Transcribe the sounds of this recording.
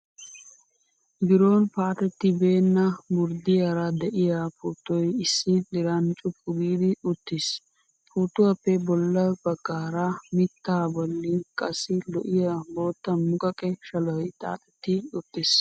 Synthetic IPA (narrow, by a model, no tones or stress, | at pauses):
bɪɾo̞ːnpaːt̪ɛt̪ːɪbe̞ːnːɐbʊɾd̪ɪjɐɾɐd̪ɛʔɪjaːpuːt̪ːɔjɪsːɪlɪɾɐnt͡ʃʼʊpʼːʊɡiːd̪ɪʊt̪ːɪs | puːt̪ːʊwɐpːɛbɔlːɐb̥ɐɡːaːɾɐmɪt̪ːaːbɔlːɪkʼɐsːɪlɔʔɪjaboːt̪ːɐmʊkʼɐkʼɛʃɐlɔjt̪ʼa̰ːt̪ʼɛt̪ːɪʊt̪ʼːɪs